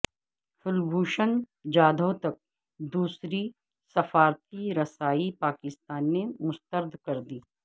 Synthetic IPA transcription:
fʰʊlbʱuːʃən | d͡ʒaːd̪ʱot̪ɐk̚ | d̪uːsɾi | sɐfaːɾt̪iɾɐsaːipaːkɪst̪aːnːemʊst̪əɾd̪ʱkɐɾd̪iː

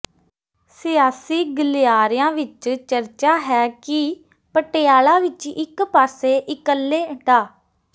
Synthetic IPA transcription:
sɪjaːsiːɡəlɪjaːɾɪjãːʋɪt͡ʃt͡ʃəɾt͡ʃaːɦɛːkɪ | pəʈejaːlãːʋɪt͡ʃɪkpaːseːʔɪkəlːeːʈaː

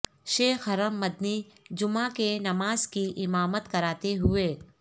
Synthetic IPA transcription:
ʃeːxɐɾəmːɐd̪nid͡ʒʊmãkenɐmaːzkiʔɪmaːmət̪kɐɾaːt̪eɦʊeː

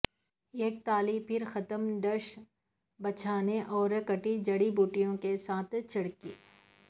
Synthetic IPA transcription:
eːk̚t̪aːlipʰɪɾxɐt̪əmɖ̪əɾʃ | bɐt͡ʃʰaːneʔɔːɾkɐʈid͡ʒɐɽibuːʈijõkesaːt̪ʰt͡ʃʰɐɽkḭː

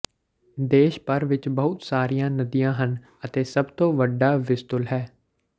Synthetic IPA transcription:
d̪eːʃpəɾʋɪt͡ʃbəɦʊt̪saːɾijãːnəd̪ijãːɦən | ət̪eːsəbt̪õːʋəɖaːʋɪst̪ʊlɦɛː

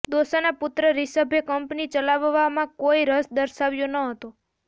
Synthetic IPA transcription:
d̪osənapʊt̪ɾəɾisəbʱjəkəmpnit͡ʃəlaʋʋamãkoiɾəsd̪əɾʃaʋjõnəɦət̪o

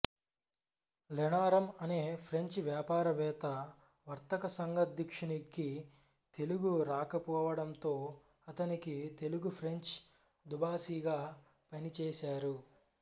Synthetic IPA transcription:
lɛnaːɾɐmɐne̞ːpʰɾe̞ɲt͡ʃʋjaːpaːɾɐʋɛːt̪ɐ | ʋɐɾt̪ɐkɐsɐŋɡɐd̪jɐkʂɐnikːi | t̪e̞luɡuɾaːkɐpɔːʋɐɽɐnt̪o̞ː | ɐt̪ɐnikit̪e̞luɡupʰɾe̞ɲt͡ʃ | d̪ubaːsiːɡaː | pɐnit͡ʃɛːsaːɾu

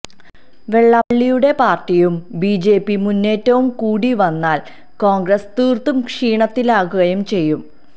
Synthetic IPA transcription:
ʋe̞ɭːɐɭːijuɽe̞paːrtijumbiːd͡ʑe̞ːpimunːe̞ːtːɐʋumkuːɽiʋɐnːaːl | ko̞ːŋɡrɐst̪iːrt̪umkʂiːɳɐt̪ːilaːɣuɣɐjumt͡ɕe̞jːum

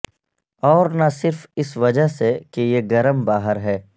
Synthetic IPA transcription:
ɔːɾnasɪɾfɪsʋɐd͡ʒəɦsekejeɡɐɾəmbaːɦəɾɦɛː

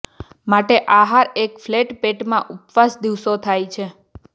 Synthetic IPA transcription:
maʈeʔaɦaɾekfleʈpeʈmãʔupʋasd̪iʋsot̪ʰajt͡ʃʰe

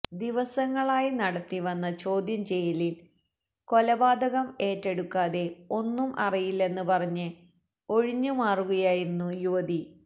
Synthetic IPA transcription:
d̪iʋɐsɐŋːɐɭaːjinɐɽɐt̪ːiʋɐnːɐt͡ɕo̞ːd̪ʱjɐmt͡ɕe̞jɐlil | ko̞lɐbaːd̪ɐɣɐme̞ːtːe̞ɽukːaːðe̞o̞nːumʔɐrijilːe̞nːɨpɐrɐɲːɨ | o̞ɻiɲːumaːruɣɐjaːjiɾinːujuʋɐði

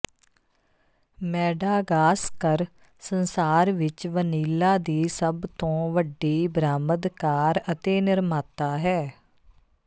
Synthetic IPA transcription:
mɛːɖaːɡaːskəɾ | sənsaːɾʋɪt͡ʃʋəniːlaːd̪iːsəbt̪õːʋəɖːiːbɾaːməd̪kaːɾət̪eːnɪɾmaːt̪aːɦɛː

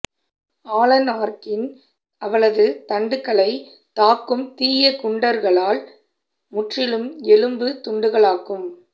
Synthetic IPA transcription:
aːlɐnaːɾkɪn | ɐʋɐɭɐðɯt̪ɐɳɖɯkːɐɭɐɪ | t̪aːkːɯmt̪iːjɐkʊɳɖɐɾɣɐɭaːl | mʊʈrɪlɯmɛlɯmbɯt̪ʊɳɖɯɣɐɭaːkɯm

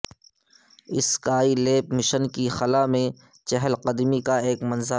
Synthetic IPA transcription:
ɪskaːileːp̚mɪʃənkixɐlamẽ | t͡ʃɛɦəlqɐd̪mikaeːkmɐnzə

